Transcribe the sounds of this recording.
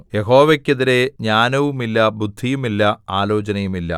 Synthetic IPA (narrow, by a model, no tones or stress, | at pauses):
je̞ɦo̞ːʋekʲːeðiɾe̞ɲaːnɐʋumilːɐbud̪ʱːijumilːɐaːlo̞ːt͡ɕɐnɐjumilːɐ̰